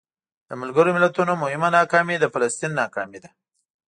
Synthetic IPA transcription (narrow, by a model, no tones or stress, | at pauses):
d̪̥əmalɡəɾomɪlat̪unomʊhɪmanɑkɑmid̪əfalast̪inːɑkɑmid̪a